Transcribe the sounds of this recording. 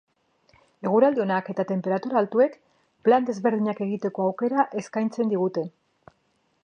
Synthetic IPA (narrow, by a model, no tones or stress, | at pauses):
e̞ɣ̞uɾald̪eo̞nake̞t̪at̪e̞mpe̞ɾat̪uɾaːlt̪ue̞k | pland̪e̞zβe̞ɾð̞iɲake̞ɣit̪e̞ko̞awke̞ɾaʔe̞skajnt͡se̞nd̪iɣ̞ut̪e̞